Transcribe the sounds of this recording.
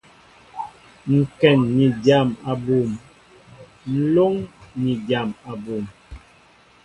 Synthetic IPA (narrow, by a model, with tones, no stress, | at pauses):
ŋ̩˨kɛ˨nːi˨dja˨ma˨bu˨m | n̩˨˦lo˦ŋni˨da˨ma˨bu˨m